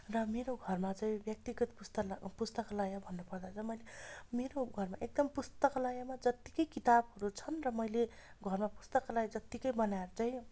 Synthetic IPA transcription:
rʌmeɾoɡʱʌrmat͡saĩbjʌk̚t̪iɡʌt̪pust̪ʌpust̪ʌklajabʱʌnːupʌrd̪at͡sʰʌmʌjlemeɾoɡʱʌrmaʔek̚d̪ʌmpust̪ʌklajamad͡zʌt̪ːikʌjkit̪abɦʌɾut͡sʰʌnrʌmʌjleɡʱʌrmapu̥st̪ʌklajd͡zʌt̪ikʌjbʌnaeɾt͡saĩ

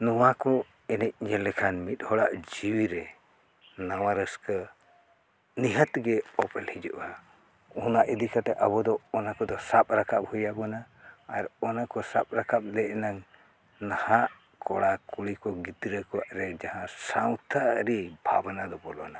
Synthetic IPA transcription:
nɔwakɔ | ɛnɛc̚ɲɛlɛkʰanmit̪̚hɔɽaʔd͡ʒiwiɾɛ | nawaɾəskə | niɦət̪ɡɛɔpɛlhid͡ʒuʔa | ɔnaʔid̪ikat̪ɛʔabɔd̪ɔːnakɔd̪ɔsap̚ʼɾakap̚hujabɔnaː | ɾɔnakɔsap̚ɾakap̚lɛʔnaŋ | nahaʔ | kɔɽakuɽikɔɡit̪ɾəkɔwaʔɾɛd͡ʒaɦãsawt̪ʰaɾibʱa̰banad̪ɔbɔlɔ̰na

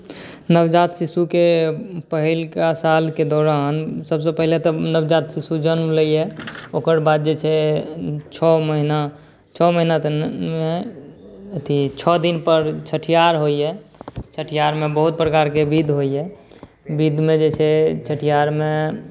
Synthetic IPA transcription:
nəbd͡ʒat̪sisukepəɦilkasalked̪ɔɾansəbsepəɦilet̪ɔnəbd͡ʒat̪sisud͡ʒənmləjɛokəɾbad̪̚d͡ʒet͡ʃʰɛ | t͡ʃʰɔməɦina | t͡ʃʰɔməɦinat̪me | ət̪ʰit͡ʃʰɔd̪inpəɾt͡ʃʰəʈʰijaɾɦojɛt͡ʃʰəʈʰijaɾmebəɦut̪̚pɾəkaɾkebid̪ʱɦoiɛ | bid̪ʱmed͡ʒet͡ʃʰɛt͡ʃʰəʈʰijaɾme

